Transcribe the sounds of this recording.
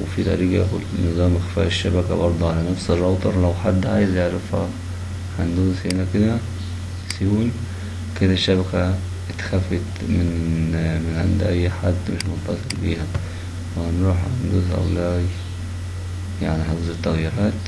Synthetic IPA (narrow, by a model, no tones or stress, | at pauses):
wefid̪æ̰ɾiːɡæʔæxulnːɨzˤɑːmʔexfæ̰ːʔeʃːæbækæbɑɾˤd̪ˤuʕalænæfserˤːɑwt̪ˤɑɾˤlæwħad̪ːʕaːjezjeʕɾæfhæ̰ | ħand̪uːshenæked̪æ | sjuːn | ked̪æʃːæbækæ | t̪xæfːet̪ | mɪnmɪnʕḛnd̪ʔæjːħad̪ːmeʃmont̪ːɑsˤelbiːhæ | wehænɾuːħhhænd̪uːθʔæ̰wlæːj | jaʕniħezet̪ːæɣjiɾɑːt̪